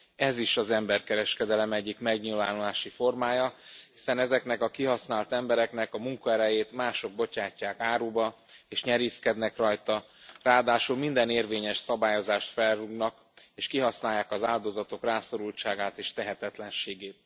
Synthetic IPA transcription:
ɛziʃɒzɛmbɛrkɛɾɛʃkɛd̪ɛlɛmɛɟːikmɛɡɲilvaːnulaːʃifo̞rmaːjɒhi̥sɛnɛzɛknɛkɒkiɦɒsnaːlt̪ɛmbɛɾɛkn̪ɛkɒmuŋkɒɛɾɛjeːt̪maːʃo̞ɡ̚bo̞t͡ʃaːcːaːkaːɾuːbɒ | eːʃɲɛɾiːskɛd̪nɛkrɒjt̪ɒ | raːd̪aːʃulmind̪ɛneːrveːɲɛʃsɒbaːjo̞zaːʃt̪fɛlruɡnɒk | eːʃkiɦɒsnaːjːaːkɒzaːld̪o̞zɒt̪o̞kraːso̞ɾult͡ʃaːɡaːt̪eːʃt̪ɛɦɛt̪ɛt̪lɛnʃeːɡeːt̪̚

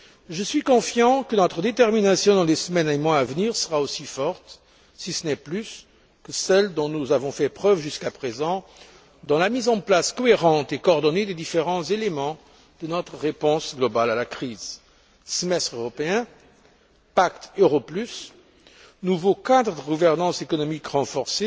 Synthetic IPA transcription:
ʒəsɥikɔ̃fjɑ̃kənɔt̪χəd̪et̪ɛʁminasjɔ̃d̪ɑ̃lesəmɛnemwaːvniʁsəʁaosifɔʁt̪ | sisənɛplys | kəsɛld̪ɔ̃nuzavɔ̃fɛpχœvʒyskapχezɑ̃ | d̪ɑ̃lamizɑ̃plaskɔeʁɑ̃t̪ekɔɔʁd̪ɔned̪ed̪ifeʁɑ̃zelemɑ̃ | d̪̥ənɔt̪χəʁepɔ̃sɡlɔbalalakχiːz | səmɛst̪χøʁɔpeɛ̃ | pakt̪øʁɔplys | nuvokad̪ʁəd̪əɡuvɛʁnɑ̃sekɔnɔmikʁɑ̃fɔʁse

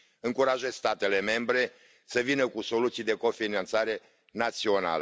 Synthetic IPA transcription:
ɨŋkuɾaʒest̪at̪e̞le̞me̞mbɾe̞ | səvinəkuso̞lut̪sijd̪e̞ko̞finant̪saɾe̞ | nat̪sio̞na̰lə

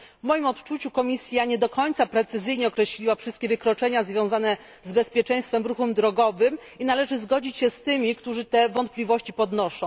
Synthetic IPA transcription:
vmɔjimɔt̪t͡ʂut͡ɕukɔmʲisʲjaɲɛd̪ɔkɔɲt̪sapɾɛt̪sɘzɘjɲɛɔkɾɛɕlʲiwafʂɘst̪̚kʲɛvɘkɾɔt͡ʂɛɲazvʲjɔ̃w̃zanɛ | zbɛspʲjɛt͡ʂɛ̃j̃st̪fɛmɾuxɛmd̪ɾɔɡɔvɘm | inalɛʐɘzɡɔd͡ʑit͡ɕɕɛst̪ɘmʲikt̪uʐɘt̪ɛvɔnt̪̚plʲivɔɕt͡ɕipɔd̪nɔʂɔ̃w̃

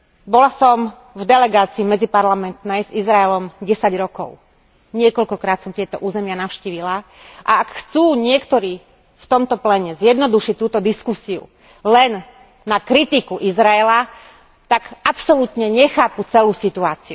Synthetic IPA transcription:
bɔlasɔm | vd̪ɛlɛɡaːt͡siːmɛd͡zipaɾlamɛnt̪nɛjzizɾaɛlɔmɟɛsaɟɾɔkɔ̰ʊ | ɲɪɛkɔʎkɔkɾaːt̪sɔmt̪ɪɛt̪ɔʔuːzɛmɪanaʊʃciːʋila | ʔa̰akxt͡suːɲɪɛkt̪ɔɾiː | ft̪ɔmt̪ɔplɛɲɛzjɛd̪nɔd̪uʃic̚t̪ːuːt̪ɔd̪iskusiṵ | lɛnː | akɾit̪ikuʔizɾaɛla | t̪aɡapsɔlut̪ɲɛɲɛxaːput͡sɛluːsit̪uaːt͡siu

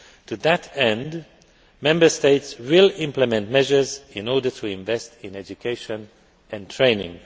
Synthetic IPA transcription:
tʰuðətɛ̃nd | mɛ̃mbə˞steɪtswɪlˠɪ̃mpləmɛ̃ntmɛʒə˞zɪ̃nɔɹdə˞tʰuɪ̃ɱvɛstɪ̃nɛd͡ʒukʰeɪʃə̃n | ɛ̃ntʰɹ̥ẽɪ̃nɪ̰̃ŋ

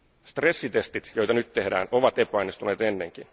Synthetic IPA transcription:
st̪re̞sːit̪e̞st̪it̪jo̞jt̪ɑnyt̪ːe̞hdæ̰ːnoʋɑt̪epːɑjnist̪uneːt̪e̞nːeŋk̟in

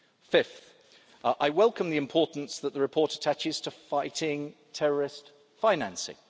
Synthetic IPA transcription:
fɪfθ | ʔaɪwɛlˠkə̃mðiɪ̃mpʰɔˑʔn̩sðəʔðəɹɪpʰɔˑtətʰat͡ʃɪz̥tʰəfaɪtʰɪ̃ŋtʰɛɹəɹɪst | fãɪnã̰nsɪ̰̃ŋ

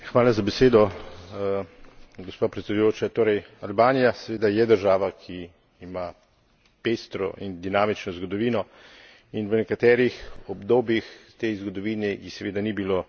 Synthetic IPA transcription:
xʋaːlazabɛseːd̪ɔ | ɡospaːpɾɛt̪sɛd̪ujoːt͡ʃat̪oːɾɛjalbaːnijasɛʋeːd̪ajɛd̪əɾʒaːʋakʰiː | ma | pest̪ɾɔ̰ʔind̪inaːmit͡ʃnɔzɡɔd̪ɔʋiːnɔ | inʋənɛkat̪ɛːɾixɔbd̪oːbjixt̪ezɡɔd̪ɔʋiːnɛjsɛʋeːd̪anibiloː

